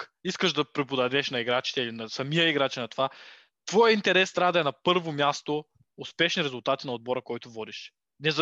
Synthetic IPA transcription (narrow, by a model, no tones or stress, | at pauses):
iskəʃd̪ɐpɾɛpʊd̪ɐd̪ɛʃnɐiɡɾat͡ʃi̥t̪ɛilinɐsɐmijəiɡɾat͡ʃɛnɐt̪ova | t̪vɔjəint̪ɛɾɛst̪ɾʲavd̪ɐɛnɐpɤɾvomjast̪o | ʊspɛʃniɾɛzʊlˠt̪at̪inɐod̪̚bɔɾəkɔjt̪ʊvɔd̪iʃ | nɛz